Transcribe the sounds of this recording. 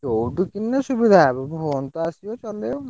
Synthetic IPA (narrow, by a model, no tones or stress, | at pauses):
owɖukinːesubid̪ʱaebɔŋbʱɔɔnt̪ɔasiot͡ʃɔleo